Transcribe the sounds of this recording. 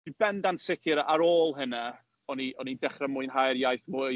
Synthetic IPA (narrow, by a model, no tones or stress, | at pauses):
ib̥ɛndansɪkʰɪɾaʔaɾoːlˠɦənɛ | ɔniɔnidɛχrɛmʊɨnɦajrjajθmʊ